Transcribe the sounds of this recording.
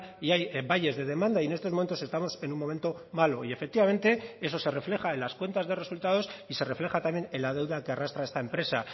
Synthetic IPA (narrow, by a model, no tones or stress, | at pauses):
iajβaje̞zðeð̞e̞mãnd̪aienest̪omo̞me̞nt̪o̞se̞st̪amo̞se̞numːo̞me̞nt̪o̞malo̞ie̞fe̞k̚t̪iβamẽ̞nt̪e̞e̞s̬o̞se̞re̞fle̞xaenlaskwe̞nt̪azðe̞re̞sult̪að̞o̞sise̞re̞fle̞xat̪amje̞nelað̞e̞wðakearast̪ɾaest̪aempɾe̞sa̰